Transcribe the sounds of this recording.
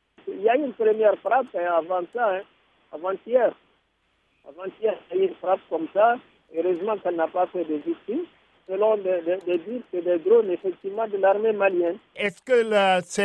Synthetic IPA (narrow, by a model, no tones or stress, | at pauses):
sɛiljayːnpɾəmjɛʁfɾapɛ̃avɑ̃saɛ̃ | a̰vɑ̃t̪jɛʁ | a̰vɑ̃t̪jɛaynfɾap̚kɔmsa | øʁøzmɑ̃kɛlnapafɛd̪evik̚t̪im | səlɔ̃d̪əd̪əd̪əd̪iɾsɛd̪ɛd̪ɾonefɛk̚t̪ivəmɑ̃d̪əlaʁmemaljɛnɛskəlasɛ